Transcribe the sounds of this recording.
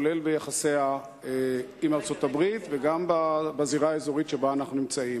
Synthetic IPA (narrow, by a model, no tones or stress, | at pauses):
le̞lbejaχase̞a | eimaʁt͡so̞tabʁit̪veɡambabaziʁaezo̞ʁitʃebaːnaχnunimt͡sai